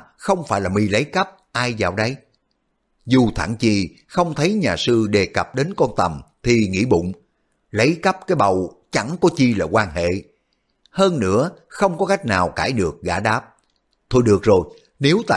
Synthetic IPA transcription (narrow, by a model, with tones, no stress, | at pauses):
xə˧wŋ͡mfaː˧˩jlaː˨˩mi˧˩lə˨˦jkə˦˥p̚ʔaː˧jza̰ː˧˨wɗə˨˦j | zu˨˩t̪ʰa̰ː˧˩ŋt͡ɕi˨˩ | xə˧wŋ͡mt̪ʰə˨˦jɲaː˨˩sɨ˧ɗe˨˩kə˨˩p̚ɗe˨˦nkɔ˧nt̪ə˨˩mt̪ʰi˨˩ŋḭ˧˥ɓʊ̰˧˨ŋ͡m | lə˨˦jkə˦˥p̚kaː˨˦jɓə˨˩wt͡ɕa˧˩ŋkɔ˨˦t͡ɕi˧laː˨˩kwaː˧nhḛ˧˨ | həː˧nːɨ̰˧˥əxə˧wŋ͡mkɔ˨˦ka˦˥jk̟̚naː˨˩wkaː˧˩jɗɨ˨˩ək̚ɣa̰ː˧˩ɗaː˦˥p̚ | t̪ʰo˧jɗɨ˨˩ək̚zo˨˩j | ne˨˦wt̪a̰ː˧